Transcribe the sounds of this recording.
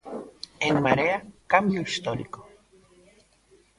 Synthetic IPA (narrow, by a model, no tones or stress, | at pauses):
enmaɾeakambjoist̪oɾḭko